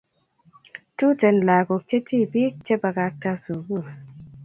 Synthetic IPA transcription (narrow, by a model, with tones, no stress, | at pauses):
tu˦te˨nla˨ko˨k̚t͡ʃe˦ti˦bi˦k̚t͡ʃe˦ba˧ka˧k̚ta˧su˨ɡu˦˨